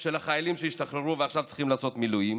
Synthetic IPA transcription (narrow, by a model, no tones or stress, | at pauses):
ʃe̞laχajalimʃejiʃt̪aχɾeʁuveaχʃavtt͡si̥χimlaːso̞t̪milujim